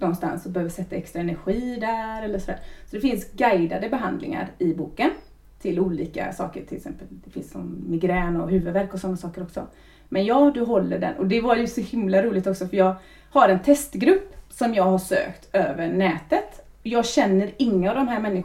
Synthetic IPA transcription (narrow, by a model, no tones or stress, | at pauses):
nɔnst̪a̰nsɔbɛhøːvəsɛt̪ːaɛkst̪ɾaɛnæɾɧiːd̪æɾɛlːəʂɔd̪æ̰ːɾsɔd̪ɛfɪnsɡajd̪ad̪əbɛɦa̰nd̪lɪ̰ŋa̰ɾɪbuːkən | t̪ʰɪluːliːka̰sɑ̰ːkə̰ɾʈʰɪlɪksɛ̰mpːəld̪ɛfɪnsːɔ̰mːɪɡɾɛːnɔɦʉ̟ːvəd̪væɾkɔsɔnːasɑːkəɾɔksɔ̰ | mɛnjɑːd̪ɵɦɔlːəɖɛ̰nʔɔd̪ɛvaɾjɵsɔhɪmlaɾuːlɪɡt̪ɔksɔfœjɑːɡ | haɾɛnt̪ʰɛst̪ɡɾɵpːsɔmjɑːɡhaʂø̰ːkt̪øːvəɳɛːt̪ət̪ɔjɑːɡɕɛnːəɾɪŋːəavd̪ɔmɦæːɾmɛnːɪ